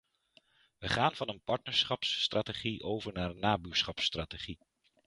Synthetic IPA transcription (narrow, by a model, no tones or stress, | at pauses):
ʋəχaːnv̥ɑnənpɑɹtnəɹsχɑpsːtrʔaːteχiʔowvəɹnaːɾənːaːbyːɹsχɑpstraːteχi